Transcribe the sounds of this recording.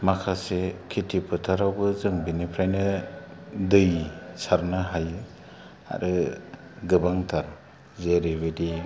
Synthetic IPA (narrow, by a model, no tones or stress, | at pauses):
makʰasekʰitʰipʰɯtʰaɾawbɯzɯŋbinipʰɾajnɯ | dɯjisaɾnɯɦaj | a̰ɾɯ | ɡɯbaŋtʰaɾ | zeɾebedi